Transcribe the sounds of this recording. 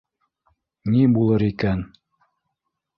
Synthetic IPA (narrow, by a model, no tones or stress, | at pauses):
nibulˠɤɾikæn